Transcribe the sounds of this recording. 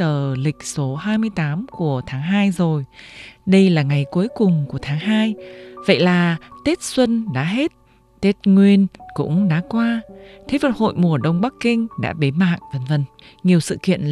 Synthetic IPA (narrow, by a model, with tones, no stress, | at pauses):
t̪əː˨˩lï˨˩k̟̚so˨˦ɦaː˧jmɨ˧əjt̪aː˨˦mku˧˩ət̪ʰaː˨˦ŋɦaː˧jzo˨˩jɗə˧jlaː˨˩ŋa˨˩jku˨˦əjkʊ˨˩ŋ͡mku˧˩ət̪ʰaː˨˦ŋɦaː˧jvə̰˧˨jlaː˨˩t̪e˦˥t̚swə˧nɗa̰ː˧˥ɦe˦˥t̚ | t̪e˦˥t̚ŋwi˧ənkʊ̰˧˥ŋ͡mɗa̰ː˧˥kwaː˧t̪ʰe˨˦və˨˩t̚ho̰˧˨jmu˨˧˩əɗə˧wŋ͡mɓa˦˥kːï˧ŋ̟ɗa̰ː˧˥ɓe˨˦ma̰ː˧˨ŋvə˨˩nvə˨˩n | ŋi˨˩əwsɨ̰˧˨kḭ˧˨ən